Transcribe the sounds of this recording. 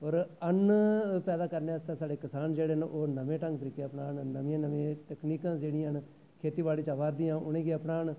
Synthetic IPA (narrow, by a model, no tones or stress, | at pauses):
ɔːɾənpɛːd̪aːkəɾneːəst̪aːsaːɖeːkəsaːnd͡ʒeːɽeːnʔoːnəmẽːʈəŋɡt̪əɾiːkeːəpnaːnnəmiːãːnəʋẽːt̪əkniːkãːd͡ʒeːɽĩːɦən | kʰeːt̪iːbaːɽiːt͡ʃaːʋaːɾd̪ĩːãːʔʊnẽːɡeəpnaːn